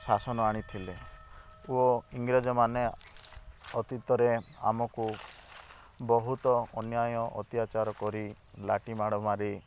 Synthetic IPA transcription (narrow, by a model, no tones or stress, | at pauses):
sasɔnɔaɽ̃it̪ʰile | uɔiŋɡɾed͡ʒɔmane | ɔt̪it̪ɔɾea̰mɔku | bɔɦut̪ɔɔnjajɔʔɔ̰t̪jat͡ʃaɾɔkɔɾi | laʈimaɽɔmaɾi